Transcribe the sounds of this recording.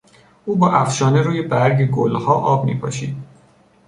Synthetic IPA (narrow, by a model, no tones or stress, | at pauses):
ʔuːbɒːʔæfʃɒːneɾuːjebæɾɟeɡolhɒːʔɒːbmḭːpʰɒːʃiːd̪̥